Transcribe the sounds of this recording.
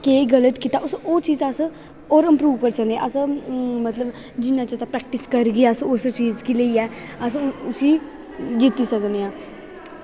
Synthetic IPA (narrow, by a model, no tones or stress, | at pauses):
keːɡələt̪kit̪aʔʊsoːt͡ʃiːzəs | ɔːɾɪ̃mpɾuːʋkəɾsəknd̪ea̰ʔəsmət̪ləb | d͡ʒɪnːãt͡ʃət̪apɾɛːk̚ʈɪskəɾɡiasʊst͡ʃiːzkiləiɛː | əs̬ʊsiː | d͡ʒit̪isəkneãː